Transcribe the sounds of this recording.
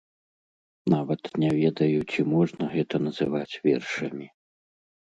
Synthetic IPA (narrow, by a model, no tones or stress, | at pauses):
navɐt̪nʲɛvʲɛd̪ɐjut͡sʲimɔʐnɐɣɛt̪ɐnɐzɨvat͡sʲvʲɛ̰rʂɐmʲi